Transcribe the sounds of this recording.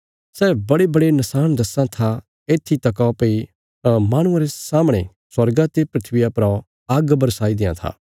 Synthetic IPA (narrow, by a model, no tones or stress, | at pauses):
sɛːbɐɽebɐɽenɐsaːnd̪ɐsãt̪ʰa | eːt̪ʰːit̪ɐkapɐi | ɐmaːɽ̃ʊãɾesaːmɽ̃ḛ | swɐɾɡat̪epɾɪt̪ʰʋɪjapɾã | aːɡbɐɾsaːid̪ɪːã̰t̪ʰa̰ː